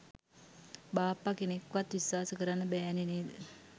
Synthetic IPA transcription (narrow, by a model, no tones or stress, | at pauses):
baːpːakenekːʋat̪ʋiswaːsəkəɾanːəbɛːneneːd̪ə